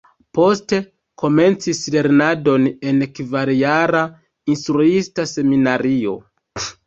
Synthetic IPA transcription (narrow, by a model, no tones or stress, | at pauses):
po̞ste̞ | kʰo̞me̞nt͡sisle̞ɾnado̞ne̞nekvaɾjaɾa | instɾuistase̞minaɾio̞̰